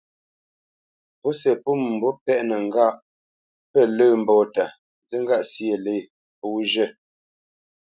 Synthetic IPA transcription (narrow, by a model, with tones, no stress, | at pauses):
po˦sɛ˨pu˦˨m˨m̩˨bɔ˦pɛ˦˨ʔnə˨ŋ̩˨ɡa˦˨ʔ | pɛ˦˨lə˦˨m̩˨bɔː˨ta˨ | zə˦ŋ˦ɡa˦˨ʔsje˨le˦˨ | puː˦ʒə˦˨